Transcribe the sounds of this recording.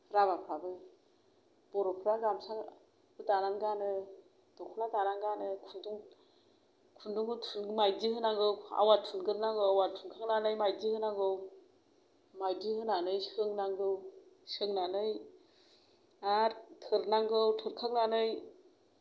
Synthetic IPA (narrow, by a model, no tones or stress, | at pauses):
ɾabapʰɾabɯ | b̥ɔɾɔpʰɾaɡamsa | ɯtananɡanɯ | d̥ɔkʰulatananɡanɯkʰaŋduŋ | kʰunduŋɯtʰunmajdihɯnaŋɡɯwa̰watʰunɡɯɾnaŋɡɯwawatʰunkʰak̚nanɯjmajdihɯnaŋɡɯw | majdihɯnanɯjsɯŋnaŋɡɯwsɯŋnanɯj | atʰɯɾnaŋɡɯwtʰɯɾkʰak̚nanɯj